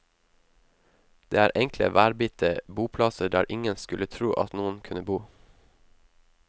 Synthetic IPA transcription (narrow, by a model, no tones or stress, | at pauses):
d̪̥ḛːæːɾʔɛŋklə̰ʋæːɾbɪt̪əbuːpʰlɑsəɖæ̰ːɾʔɪŋənskʉlət̪ʰɾuːʔɑ̰t̪nuːənkʰʉnəbuː